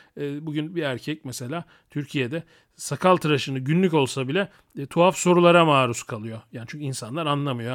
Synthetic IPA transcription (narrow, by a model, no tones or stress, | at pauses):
buɡɟynbiæɾcʰɛc̚mɛse̞lʲaː | t̪ʰyɾcʰijed̪ɛ | sakʰalˠt̪ʰɯɾaʃɯnɯɟynlʲyco̞lˠsabilʲɛ | t̪ʰuafso̞ɾulˠaɾamaːɾuskʰalˠɯjo̞jaːnit͡ʃʰyɲʲcʰinsanlˠaɾanlˠamɯjo